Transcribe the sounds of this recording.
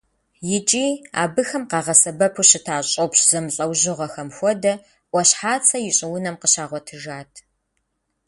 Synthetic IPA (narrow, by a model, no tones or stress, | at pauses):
jɪt͡ʃʼiːa̰ːbɨxɐmqɑːʁɐsɐbɐpʰʊɕɪtʰaːɕʼopɕz̥ɐmɬʼɐwʑɪʁɐxɐmxʷɔdɐ | ʔʷɔɕħaːt͡sʰɐjɪɕʼɪwʊnɐmqəɕaːʁʷɔtʰɨʒaːtʰ